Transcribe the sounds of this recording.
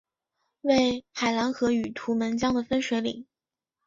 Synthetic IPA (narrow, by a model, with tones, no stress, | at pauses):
we˥˩ɪxa˨˩ɪla˧˥nxɤ˧˥y˨˩t̪ʰu˧˥mə˧˥nt͡ɕjɑ˥ŋd̪ə˨fə˥nʂwe˧˥ɪlḭ˨˩˦ŋ